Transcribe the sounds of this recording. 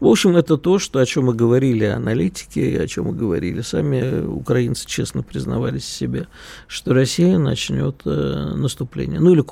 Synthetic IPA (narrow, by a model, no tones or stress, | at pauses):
vo̞pɕɪmɛt̪ət̪o̞ʂt̪o̞ɐt͡ɕo̞mːɨɡəvɐɾʲilʲɪɐnɐlʲitʲɪ̥kʲɪɪɐ̰t͡ɕo̞̰mːɨɡəvɐ̰ɾʲḭlʲɪsamʲɪʊ̰kɾɐint̪sɨ̥t͡ɕe̞snəpɾʲɪznɐ̰valʲɪsʲːɪbʲe | ʂt̪o̞rɐsʲijənɐ̰t͡ɕnʲo̞̰t̪nəst̪ʊplʲḛnʲɪjənuilʲɪ